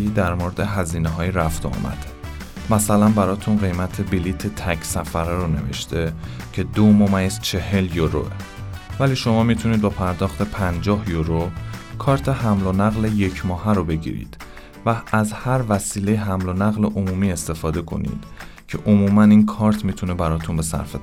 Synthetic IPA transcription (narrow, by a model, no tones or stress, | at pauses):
iːd̪æɾmoːɾed̪e̞ɦæziːneɦɒːiɾæft̪ʰoɒ̰ːmʔæ̰d̪̥ | mæsælænbæɾɒːt̪ʰunɢe̞jmæt̪ʰe̞biliːt̪ʰet̪ʰæcʰsæfæɾeɾone̞̰ve̞̰ʃt̪ʰe̞ | cʰe̞d̪omomæjst͡ʃʰe̞he̞ljoɾo̰ʔe | væliːʃo̞mɒːmit̪ʰuniːd̪̚bɒpʰæɾd̪ɒːxt̪ʰe̞pʰænd͡ʒɒːhjoɾokʰɒːɾt̪ʰe̞ɦæmlonæɣle̞je̞cʰmɒːɦæɾobe̞ɟḭɾḭːd̪̥ | vææzhæɾvæsiːlejeɦæmlonæɣleʔomuːmiːe̞st̪e̞fɒːd̪e̞kʰo̞̰nḭd̪̥ | cʰe̞ʔomuːmæniːnkʰɒːɾt̪ʰmit̪ʰunebæɾɒːt̪ʰunbe̞sæ̰ɾfe